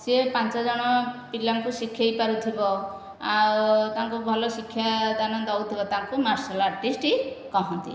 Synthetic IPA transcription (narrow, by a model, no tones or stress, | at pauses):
sepant͡ʃɔd͡ʒɔɽ̃ɔpilaŋkusikʰjajpaɾut̪ʰibɔ | awt̪aŋkubʱɔlɔsikʰːjad̪anɔd̪ɔwt̪ʰibɔt̪aŋkumaɾsalaɾʈisʈikɔɦɔnt̪ḭ